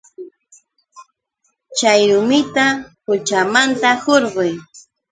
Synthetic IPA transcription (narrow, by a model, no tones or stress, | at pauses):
t͡ʃajɾʊmɪt̪apʊt͡ʃamant̪ahoɾɢʊj